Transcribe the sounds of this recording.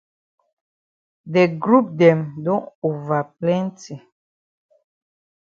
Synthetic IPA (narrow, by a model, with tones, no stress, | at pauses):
dɛ˨ɡɾu˦p̚dɛ˨mdɔ̃˦ŋu˨va˨plɛ̃˦nti˨